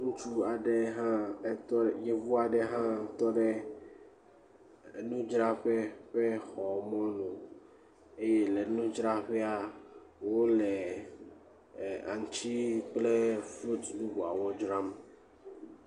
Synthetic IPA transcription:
ŋũ˦t͡ʃu˦a˨ɖɛ˨ɦã˦t̪ɔ˦˨je˨vu˦a˨ɖɛ˦ɦã˦t̪ɔ˦ɖɛ˦ | nũ˦d͡ʒɾa˦ɸe˦ɸe˦xɔ˨mɔ̃˦nõ˨ | e˦je˦le˨nũ˦d͡ʒɾa˦ɸɛ˦a˦wo˦le˨ | a̰˨ŋ˨t͡ʃi˦k͡ple˦flu˦t̪ɖu˦bu˨a̰˨wo˦d͡ʒɾa˦m

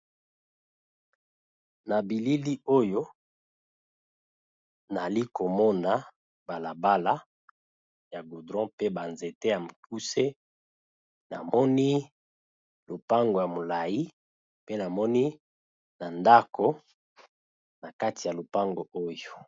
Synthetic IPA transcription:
na˨bi˨li˦li˦o˦jo˦ | na˨li˦ko˨mɔ˦na˨ | ba˨la˨ba˦la˦ | ja˨ɡo˨dʁɔ̃˦pe˦ba˨nze˨te˦ja˨m˨k̚u˦se˦ | na̰˨mɔ˦ni˦ | lo˨pa˦ŋɡo˨ja˨mo˨la˨ji˦ | pe˦na˨mɔ˦ni˦ | na˨nda˦kʰo˨ | na˨ka˦ti˨ja˨lo˨pa˦ŋɡo˨o˦jo˨

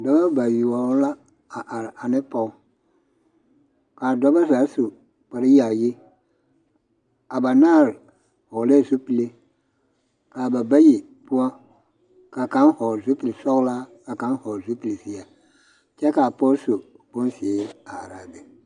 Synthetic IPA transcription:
da˦ba˦ba˨ji˨wa˨wla˦˨ | ʔa˨nɪ̃˦pɔ˨˦ | ka˨dɔ˦ba˦sa˨˦so˨ | ba˨ɾɪ˦ja˨je˦ | a˨ba˨nã˦˨ɾ | hɔ˨le˦˨su˦pi˨le˦ | ka˨ba˨ba˦je˨ | pʊ˦a˦ | ka˨kã˦n˦hɔ˨zo˦pi˨le˨sɔ˦kla˦ka˨kã˦n˦hɔ˨zo˦pi˨le˨si˦a˨ | t͡ʃɛ˦ka˨pɔ˦so˨ | bʊ̃˦n˦si˨˦a˨ɾa˨dɪ˨

